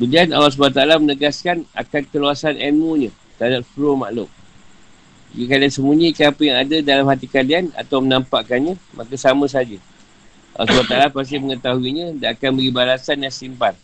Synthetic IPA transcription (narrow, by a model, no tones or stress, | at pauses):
bəliana̰las̬balat̪̬alamənəɡaskana̰kankəluasanʔɛnmuɲã | t̪əadat̪̚fɾoma̰ʔlʊm | jəkaliansəmuɲikanapəjaŋadadalamhat̪ikaliana̰t̪awmənampaʔkanɲamʔakasamə̃s̬ad͡ʒə | ʔa̰lːɔ̰sbalat̪alapas̬t̪iməŋət̪aɦuiɲãdaʔakanbəɡibalasanjaŋsimpan